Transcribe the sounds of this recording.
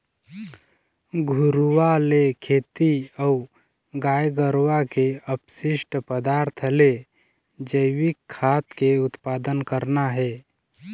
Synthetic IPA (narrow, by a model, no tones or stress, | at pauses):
ɡʱʊɾwalekʰeːt̪iɔu | ɡaːjɡəɾwakeəpsɪʃʈpəd̪aːɾt̪ʰəle | d͡ʒəɪwɪkʰːaːt̪keʊt̪paːd̪ənkəɾnaɦɛː